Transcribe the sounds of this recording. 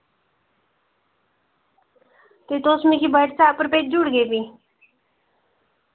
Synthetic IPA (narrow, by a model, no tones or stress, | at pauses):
t̪et̪oːsmikʰibəʈt͡saːpəɾpeːt͡ʃ̚d͡ʒuɽɡeːbi